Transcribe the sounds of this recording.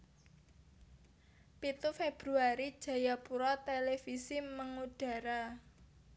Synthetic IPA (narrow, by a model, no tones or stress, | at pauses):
pit̪ufeb̥ɾuaɾid̥ʒ̥a̤japuɾɔt̪elefisiməŋuɖ̥a̤ɾa